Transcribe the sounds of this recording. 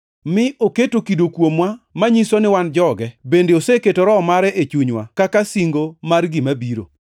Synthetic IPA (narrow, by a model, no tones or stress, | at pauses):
mɪʔoketokidokwomwamaɲisonɪwand͡ʒɔɡɛbendeoseketoɾɔmaɾɛʔet͡ʃuɲwakakasiŋɡomarɡimabiɾo̰